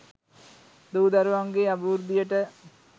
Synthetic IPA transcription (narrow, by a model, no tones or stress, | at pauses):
d̪uːd̪ɐɾʋaŋɡeɐbɐʋuɾd̪ijɐʈːɐ